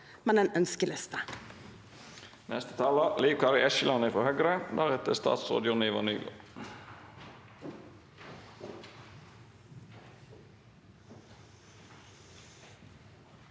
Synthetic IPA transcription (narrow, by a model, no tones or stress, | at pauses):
mɛneːnœnskəlɪst̪ə | nɛst̪ə̥t̪ʰɑːlɑliːkʰɑːɾʋɪɛʃəlʔɑnəfʁohœɡɾəd̪æːʁɛt̪əst̪ɑ̰ːt̪sʁo̰ːd̪əjʊnɪʋɑ̰nyːɡo̰